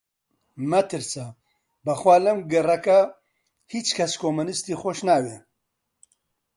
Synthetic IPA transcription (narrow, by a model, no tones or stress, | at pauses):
mɐt̪ɨɾsɐ | bɐxwaːlɐmɡɨrɐkɐ | hit͡ʃkʰɐskʰomunɨst̪iːxoʃnaːwe